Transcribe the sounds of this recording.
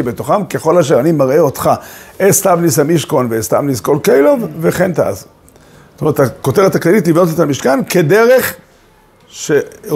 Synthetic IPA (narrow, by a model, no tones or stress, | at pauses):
ibet̪oχamkeχo̞laʃ̬eʁanimaʁeo̞tχaʔest̪avnisamiʃko̞nveest̪a̰vnisko̞lkejlo̞vveχent̪a̰a̰z | tometako̞te̞et̪aklalitlivno̞tet̪amiʃkankedeʁe̞χ | ʃe